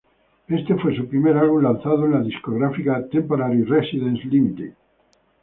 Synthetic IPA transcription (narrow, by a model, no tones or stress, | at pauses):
e̞st̪efwesupɾimeɾalβumlan̟θaðoenlaðiskoɣɾafikat̪empoɾaɾiresiðẽnslimit̪ḭ